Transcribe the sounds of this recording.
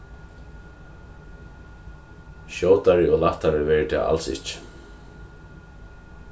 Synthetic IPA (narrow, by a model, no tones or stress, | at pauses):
ɕjoːwt̪aɾɪɔɣlaft̪aɾɪvɛɾɪt̪ʰɪ̰ːa̰ʔa̰lsɪ̰hc